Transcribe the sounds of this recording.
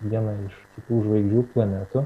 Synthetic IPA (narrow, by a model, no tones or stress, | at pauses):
jʲiɛnɐɪʃt̪ʲɪk̪ʲuːʒʋɐɪɡd͡ʒʲuːplˠɐnʲæːt̪ʊ